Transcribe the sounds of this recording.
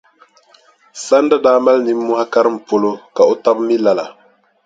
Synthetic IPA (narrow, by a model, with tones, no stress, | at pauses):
sa˦n˦da˦daː˨˦ma˦lni˨˦mː˦ʊ˦ha˦ka˦ɾɨ˦m̩˨po˦lo˦ka˨o˦ta˦bmi˦la˨la˨